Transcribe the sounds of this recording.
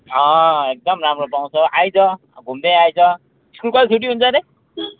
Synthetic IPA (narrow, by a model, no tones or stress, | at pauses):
ʌek̚d̪ʌmramropaw̃t͡sʰʌʔajt͡sʰʌ | ɡʱumd̪eajt͡sʰʌ | iskulkʌisʰuʈ̬iɦunt͡sʰʌɾe